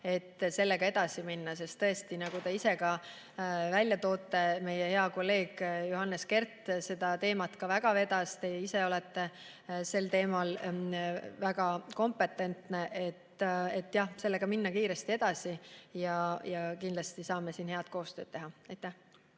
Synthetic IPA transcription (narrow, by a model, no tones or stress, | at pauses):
e̞t̪ːse̞lːe̞ɡ̥ɑe̞d̪̥ɑsiminːɑse̞st̪ːɤe̞st̪inɑɡ̥ut̪e̞ise̞kɑ | vælʲjɑt̪o̞ːt̪ːˑe̞me̞jehe̞ɑko̞lːe̞ːɡ̥joɦɑnːeske̞rt̪ːˑse̞d̪̥ɑt̪e̞ːmɑt̪kɑvæɡ̥ɑve̞d̪̥ɑst̪ejeise̞o̞leɛt̪ːe̞ | se̞lt̪e̞ːmɑl | væɡ̥ɑko̞mpe̞t̪ːˑe̞nt̪ne̞ʔe̞t̪ːet̪ːˑjɑhse̞lːe̞ɡ̥ɑminːɑkiːɾest̪ie̞d̪̥ɑsijɑjɑkind̪lɑst̪isɑːmesiːnhe̞ɑd̪̥ko̞ːst̪øːd̪̥e̞ɦɑɑjt̪ːˑæh